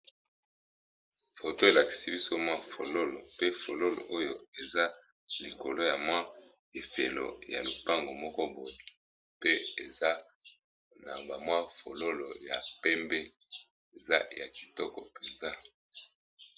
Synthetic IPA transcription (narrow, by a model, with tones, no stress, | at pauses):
fo˨to˦e˨la˨ki̥˨si˦bi˦so˦mwa˦fo˨lo˦lo˨pe˦fo˨lo˦lo̰˨ʔo˦jo˦e˨za˦ | li˨ko˨lo˦ja˨mwa˦ | e˨fe˨lo̰˨ja̰˨lu˨pa˦ŋɡo˨mɔ˦kɔ˦bo˨je˨ | pe˦e˨za˦ | na˨ba˨mwa˦fo˨lo˦lo̰˨ja̰˨pɛ˦mbe˦ | e˨za˦ja̰˨ki̥˨tɔ˦kɔ˨pe˨nza˦